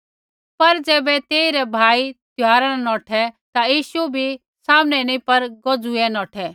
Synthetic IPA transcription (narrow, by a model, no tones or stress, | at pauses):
pɐɾd͡zɛːbɛt̪eːiɾɛbʱaːit̪jaːɾannɔːʈʰɛt̪ajiːʃubʱi | saːmnɛnĩpɐɾɡɔd͡zuɛnɔːʈʰɛ